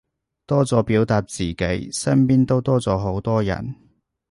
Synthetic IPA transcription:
t̪ɔː˥t͡sɔː˨˧piː˨˥wt̪aː˧t̚t͡siː˨˩ke˨˥jsɐ˥mpiː˥nt̪o˥wt̪ɔː˥t͡sɔː˨˧ɦo˨˥wt̪ɔː˥jɐ̰˨˩n

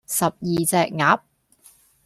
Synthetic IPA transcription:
sɐ˨p̚jiː˨t͡sɛː˨˧k̚ŋaː˨˥p̚

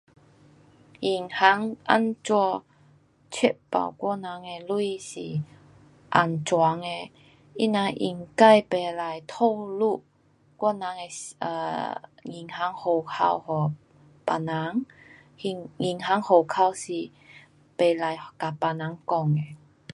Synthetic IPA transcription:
i˨˩ŋha˧˦ŋʔa̰˧˥˨nt͡swɔ˧ | t͡ɕʰi˥t̚pa̰˨˩wkwɔ˥˧˨na˨˦ŋe˧lu˥˨isi˨˩ | ʔa̰˧nt͡swa˨˧˦ŋe˧ | ḭ˧˥na˧ʔḭ˧˨˩ŋka˥˧˨jpe˨˩la˨˧jt̪ʰo˥˧wlu˥˧˨ | kwɔ˥˧na˨˦ŋe˧ə̰˧ŋi˨˩ŋha˨˦ŋho˨˩wkʰa̰˧whɔ˨˩ | pa˧˨na˨˦ŋ | i˧ŋŋi˧˩ŋɦa˨˧˦ŋho˨˩kʰa˧wsi˨˩ | pe˨˧la˨jka˨˩pa˨na˨˦ŋkɔ˧ŋe˨

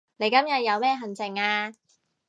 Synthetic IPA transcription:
ne˨˧jkɐ˥mjɐ˨t̚jɐ˨˧wmɛː˥ɦɐ˨nt͡sɪ˨˩ŋaː˧

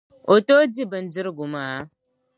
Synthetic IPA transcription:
o˨to˦di˦bə˨nd͡ʒi˦ɾɡu˨ma˨˦

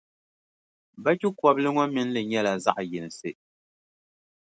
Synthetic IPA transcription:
ba˦kʲi˦kɔ˨blɨ˦ŋɔ˦mɨ˨n˦lɨ˨ɲɛ˦la˨za˦ʔjɪ˨nɨ˨sɨ˦

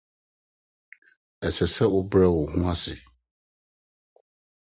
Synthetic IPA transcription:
ɛ˨sɛ˨sɛ˦ʊ˦bɾɛ˦wʊ˨hũ˦a˦sɪ˨

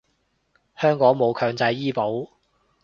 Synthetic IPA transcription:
hœː˥ŋkɔː˨˥ŋmo˨˧wkʰœː˧ŋt͡sɐ˧jːiː˥po˨˥w

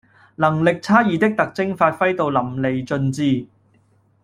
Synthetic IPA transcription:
lɐ˨˩ŋlɪ˨k̚t͡sʰaː˥jiː˨t̪ɪ˥k̚t̪ɐ˨k̚t͡sɪ˥ŋfaː˧t̚fɐ˥jt̪o˨˧wlɐ˨˩mle˨jt͡sɵ˧nt͡siː˧

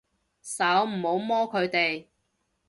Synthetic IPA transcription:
sɐ˨˥wm̩˨˩ho˨˧˥wmɔː˥kʰɵ˨˧ɥt̪e˨j

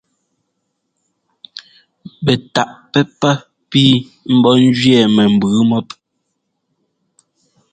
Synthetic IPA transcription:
bɛ˨ta˨ʔpɛ˦pa˦ | piː˦ | m̩˦bɔ˦n̩˦d͡ʒɥɛ˦˨mɛ˨m̩˨bʉː˨˦mɔ˦p̚

